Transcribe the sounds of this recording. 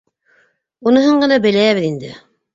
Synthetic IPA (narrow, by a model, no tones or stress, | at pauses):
unɤ̆ɦɤɴɢɤ̆nɑbɘ̆lææβɘðind̪ɘ